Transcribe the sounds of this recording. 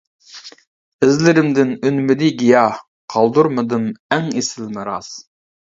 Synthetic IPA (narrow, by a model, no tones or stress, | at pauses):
ɪzlɪɾɪmd̪ɪnynmɪd̪iɡʲijɑh | qʰɑlˠd̪uɾmɨd̪ɨmɛŋesɪlmɪɾɑz̥